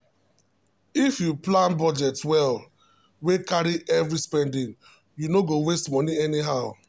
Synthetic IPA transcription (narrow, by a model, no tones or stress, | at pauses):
ifjuplãnbɔd͡ʒɛtwɛl | wekaɾiʔɛvɾispɛ̃ndĩŋ | junoɡowestmɔniɛniɦaʊ